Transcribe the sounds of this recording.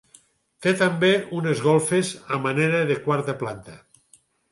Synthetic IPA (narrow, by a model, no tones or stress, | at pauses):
t̪et̪ambeunezɣolˠfezamaneɾaðekwaɾt̪aplant̪a